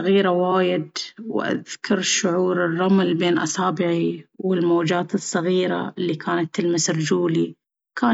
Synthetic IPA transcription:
ɣiːɾawaːjɪd̪wʔa̰ðkʰʊɾˤʃʊʕuːɾɪrˤːɑmlbeːnʔɑ̰saːbɪʕiwɪlmoːd͡ʒaːt̪ɨsˤːɑɣiːɾa̰ʔɪlːikʰaːnat̪ɪlmasɾd͡ʒuːli | kʰaː

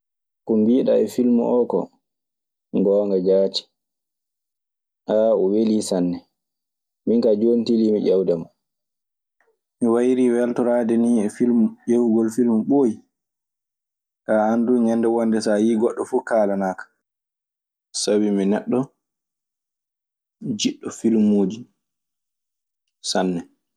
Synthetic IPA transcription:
kɔmbiːɗa̰ɛfilmṵʔɔkɔ̰ | ŋɡɔːŋɡad͡ʒaːt͡ʃi̥ | ʔaɔweliːsanːɛ | miŋkad͡ʒontilimiʔawdamɔ | miwajiɾiːwɛltɔɾadɛniɛfilmuʔewuɡɔlfilmuɓoːji | kaanduɲɛndɛwɔndɛsajiːɡɔɗːɔfuːkaːlanaːkḁ | sabiminɛɗːɔ | d͡ʒiɗːɔfilmoːd͡ʒi | sanːɛ

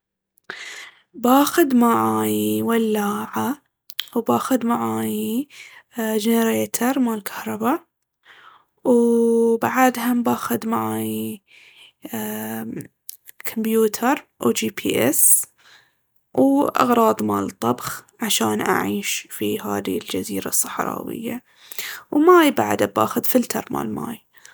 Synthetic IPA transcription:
baːxʊd̪maʕaːjiwalːaːʕa | wbaːxʊd̪maʕaːji | d͡ʒɪnəɾeːt̪ʰɑɾˤmalkʰḁhɾˤɑba | wbaʕad̪hambaːxʊd̪maʕaːji | kʰɔmbjuːt̪ʰɑɾˤʔud͡ʒiːpʰiːʔɛ̰s | wʔɑ̰ɣɾˤɑːðˤmaːlt̪ˤːɑbxʕaʃaːnʔa̰ʕiːʃfihaːðild͡ʒaziːɾasˤːɑħɾˤɑ̰ːwɪ̰jːa | wmaːjba̰ʕd̪aba̰ːxʊd̪fɪlt̪ʰɑɾˤma̰ːlma̰ːj

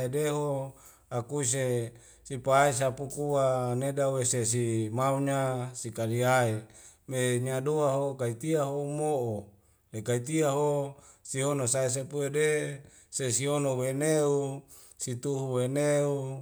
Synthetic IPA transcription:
edeɦo | akuis̬e | sipais̬apukuwanedaweses̬imauɲasikaliae | meɲadoaɦokait̪iaɦomoʔo | lekait̪iaɦosionosaes̬epuede | sesionoweneu | sit̪uɦuweneu

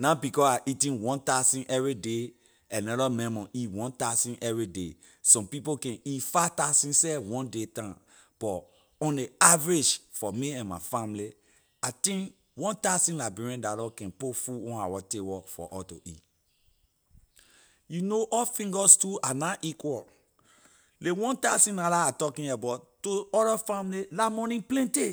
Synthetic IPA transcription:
nãbikɔaʔitĩnwɔ̃ntasĩnʔɛvɹide | ãnɔɾɔmɛ̃mɔ̃ʔitwɔ̃ntasĩnʔɛvɹide | sɔ̃mpipokɛ̃nitfatasĩnsɛwɔ̃ndetã | b̥ɔ | ɔ̃ndeavɹed͡ʒfɔmiɛ̃nmafãmli | atĩŋ | wɔ̃ntasĩnlabiɹɛ̃ndalɔkɛ̃npofuwɔ̃na̰wɔtewɔfɔ̰ʔɔto̰ʔḭ | junoʔɔfĩŋɡɔstuanaʔikwɔl | lewɔ̃ntasĩnalaatɔkĩnɛbɔtoɔɾɔfãmlilamɔ̃nĩplɛ̃nte

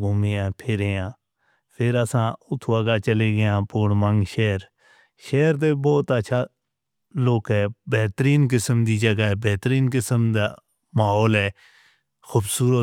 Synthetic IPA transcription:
ɡʊmeːãːpʰɪɾejãː | pʰɪɾəsãːʊt̪ʰuəːɡaːt͡ʃəleːɡɪjãːpoːɳmə̃ŋɡʃɛːɾ | ʃɛːɾt̪eːbɔːt̪əːʃʰaː | loːkɦɛːbɛːt̪əɾiːnk̬ɪsəmd̪iːd͡ʒəɡaːbɛːt̪ɾiːnkɪsəmd̪aː | maːɦɔːlɦɛː | xʰuːbsuːɾə

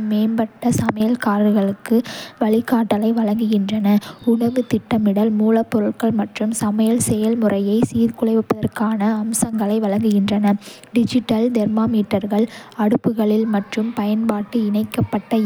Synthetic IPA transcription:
meːnbɐʈːɐsɐmɐjɐlkaːɾɾɣɐɭɯkːɯʋɐɭɪkːaːʈːɐlɐɪʋɐlɐŋɡɯɣɪndrɐnɐʊɳɐʋɯt̪ɪʈːɐmɪɽɐlmuːlɐpːɔɾɯɭkɐɭmɐʈrɯmsɐmɐjɐlsɛjɐlmʊrɐjɐɪsiːɾkʊɭɐɪʋɪpːɐðɐrkaːnɐːmsɐŋɡɐɭɐɪʋɐɭɐŋɡɯɣɪndrɐnɐ | ɖɪd͡ʒɪʈːɐld̪ɛɾmaːmiːʈːɐɾɣɐɭɐɽɯpːɯɣɐɭɪlmɐʈrɯmpɐjɐnpaːʈːɯɪnɐɪkːɐpːɐʈːɐ

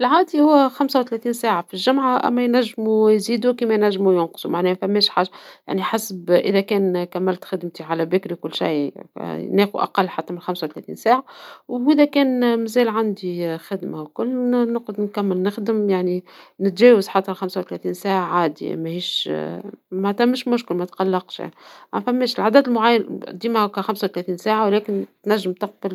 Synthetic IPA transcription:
ɪlʕaːd̪ihʊwːæxamsawt̪lɛːθiːnsæːʕafilʒʊmʕaʔæ̰mːæjnæʒːmujziːd̪ukiːmæjnæʒːmujʊnqsˤumaʕnɛːmæfæmːɛːʃħaːʒːaja̰ʕniħasbʔɪðækɛːnkæmːɪlt̪xɪd̪mt̪iʕalæbɪkɾikʊlːʃa̰j̰ | nɛːxṵʔa̰qɑlːħat̪ːæmɪnxamsawt̪lɛθḭːnsaːʕawʔɪðækɛːnmæzɛːlʕand̪ixɪd̪mawkʊlːnʊqd̪nkæmːəlnɪxd̪əmjaʕninɪt̪ʒɛːwazħɑt̪ˤːɑɾxamsawt̪læθiːnsaːʕaʕaːd̪ḭmæhiːʃ | mat̪æmːɪʃmʊʃkɪlmæt̪qɑlːɑqʃmæfæmːeːʃɪlʕad̪æd̪ɪlmʊʕajːand̪iːmahkæxamsawt̪læθiːnsaːʕawlɛːkɪnt̪næʒːəmt̪ɑq̚bəl

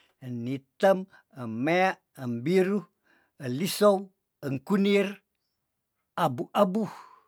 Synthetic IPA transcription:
ənːit̪əm | əmmːeaʔəmbiɾu | əlisow | əŋkunir | abuʔabu

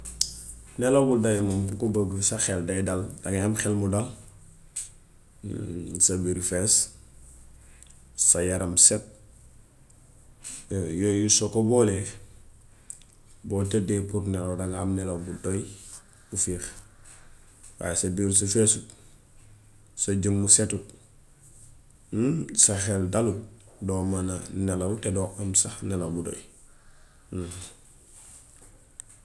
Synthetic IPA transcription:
nelobuldajmumkobəɡusaxeldajdaldaŋamxɛlmudal | sabiɾfes | sajaɾamset̚ | jojusokobole | boːtedepuɾnelodaŋamnelobuldoj | ufiːɾ | wa̰jsɐbiːɾs̬ufesut | sɐɟəmːusetut | saxeldaludomananelautedoʔamsaxnelabudo̰j

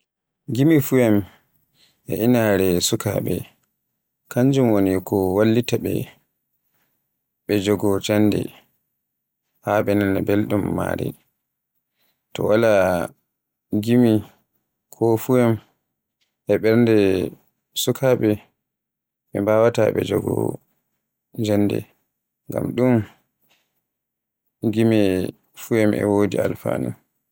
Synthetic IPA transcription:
ɡimifuɛm | ʔɛ̰ʔinaɾɛsuka̰ɓɛ̰ | kaɲd͡ʒumwonikʰɔwalːitaɓɛ̰ | ɓɛd͡ʒɔɡɔt͡ʃanːdɛ̰ | haɓɛnanabelɗumːa̰ɾɛ̰ | tɔ̰wala | ɡimi | kʰɔfujɛm | ʔɛɓɛɾndɛ | sukʰaɓɛ | ɓɛmbawataɓɛd͡ʒɔɡɔ̰ | d͡ʒanːdɛ̰ | ŋɡa̰mɗum | ɡimɛ | fujɛmʔɛ̰wodialfa̰ːnṵm

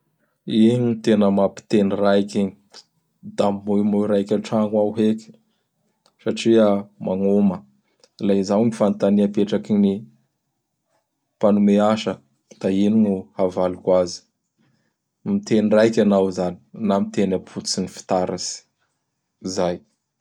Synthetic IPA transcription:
iɲiit̪enəmapi̥t̪enirajkʲini̥ | d̪amːomujɾajkʲaʈ͡ʂaŋwawɦeki̥ | saʈ͡ʂiəmaŋomə | lazawnifant̪aniapeʈ͡ʂakini | panumeaʃə | d̪̥aininuhavalukazi̥ | mit̪enrajkʲanawzani̥namit̪enapʰut͡sinifi̥t̪aɾasi̥ | zaj

